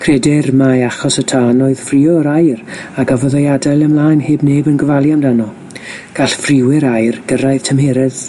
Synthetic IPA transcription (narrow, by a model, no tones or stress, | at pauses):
kʰrɛdɪrmaaχɔsətʰanɔɨð̥friːɔɾajraɡavɔðɔjadalˠəmlˠaːjnheːbneːbənɡəvalˠjamdanɔ | ɡ̥aɬfrɪwɛɾajrɡ̥əɾaɨð̥tʰəmhɛɾɪð